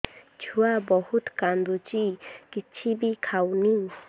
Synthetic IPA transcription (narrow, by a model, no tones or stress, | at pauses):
t͡ʃʰuwabɔhut̪kand̪ut͡ʃikit͡ʃʰibikʰawni